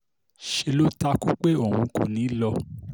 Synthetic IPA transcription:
ʃe˧lo˦ta˦ku˦k͡pe˦o˦˨hũ˧kṵ̃˨nĩ˨˦lɔ˧˦

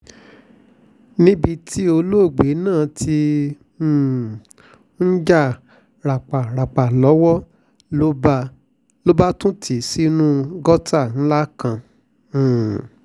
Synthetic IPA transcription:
nĩ˦bi˧tʰi˦o˧lo˦˨ɡ͡be˨˦nãː˦˨tʰĩ˧˨ | n̩˦d͡ʒa˦˨ | ɾa˨k͡pa˨ɾa˨k͡pa˨lɔ˨˦wɔ˦ | o˦b | lo˦ba˦tũ˦tʰi˨si˦nũ˦ɡɔ˦ta˦˨n̩˦la˦kã˧˨

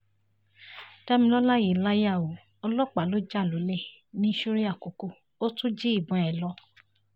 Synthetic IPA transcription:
ta˦mĩ˧lɔ˦la˦ji˨la˦ja˦˨o˨ | ɔ˧lɔ˦k͡pa˨lo˨˦d͡ʒa˦˨lo˨˦le˦˨ | nĩ˦ʃo˦ɾi˦a˦˨ko˨ko˧˨ | o˦tũ˦d͡ʒi˦i˦˨bɔ̃˨˦ɛ˨lɔ˧˦

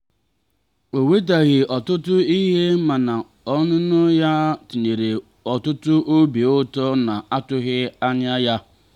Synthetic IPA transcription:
o˨we˦t̬a˨ɣɪ˨ʔɔ˨tʊ˦tʊ˦i˦ɦe˦ma˨na˨ | ɔ˦nʊ˦nʊ˦ja˦ti˨ɲe˨ɾe˨ | ɔ˨tʊ˦tʊ˦ʔo˦bi˨ʊ˦tɔ˦na˨a˦tʊ˦ɣɪ˦a˦ɲa˦ja˦

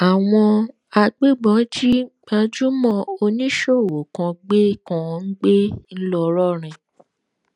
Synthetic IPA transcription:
a˨w̃ɔ̃˧ | a˧ɡ͡be˦ɡ͡bɔ̃˨˦d͡ʒi˦ɡ͡ba˧d͡ʒu˦mɔ̃˦o˧nĩ˦ʃo˦˨wo˨kã˧ɡ͡be˦kã˧n̩˦ɡ͡be˦n̩˦lɔ˧ɾɔ˦ɾ̃ɛ̃˨

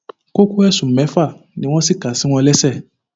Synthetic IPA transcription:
ko˦ko˦ɛ˦˨sũ˨mɛ̃˨˦fa˦˨nĩ˨˦w̃ɔ̃˦si˦˨ka˨si˨˦w̃ɔ̃˧lɛ˦sɛ˦˨

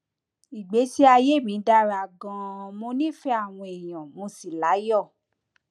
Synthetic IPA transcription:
i˨ɡ͡be˨˦si˦a˧je˦˨mĩ˨˦da˧ɾa˨ɡɔ̃˧mo˧nĩ˦fɛ˦a˦˨w̃ɔ̃˧e˨j̃ɔ̃˨mo˧si˨la˨˦jɔ˦˨

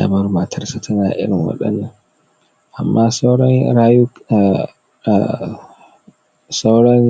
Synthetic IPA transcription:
a̰˨mɐ˦rma˨tʰɐ˦rsa˦tʰɐ˦naː˨ʔɪ̰˦ɽɪ˨ŋwɐ̰˦ɗɐ̰˦nːɐ˦ŋ | ʔa˨mːaː˦sa˦wɽɔ˦ŋɾaː˦ju˦˨ | sa˦wɽɔ˦n

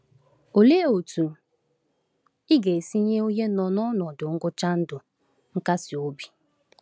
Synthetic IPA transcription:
o˨le˦˨o˨tu˨ | ɪ˦ɡe˨si˦ɲe˦o˦ɲe˦nɔ˨nɔ˦nɔ˨dʊ˨ŋ̩˦ɡʊ˦t͡ʃa˦n̩˦dʊ˨ | ŋ̩˦ka˦sɪ˨o˦bi˨

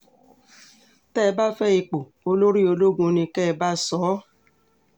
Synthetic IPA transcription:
tɛ˦˨˧ba˦fɛ˦i˧k͡po˨ | o˧lo˦ɾi˦o˧lo˦ɡũ˧nĩ˧kɛ˦˧ba˦sɔ˨˦

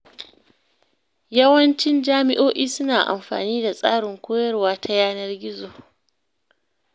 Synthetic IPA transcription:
jɐ˦wɐ˦nt͡ʃɪ˦nd͡ʒaː˦mɪ̰˦ʔoː˦ʔiː˦sʊ˦naː˨ʔa̰˨mɸa̰ː˨niː˦da˨sʼa̰ː˦ɽɪ˨ŋkʷoː˦jɐ˦rwaː˦tʰa˦jaː˦nɐ˦rɡʲɪ˦zoː˨

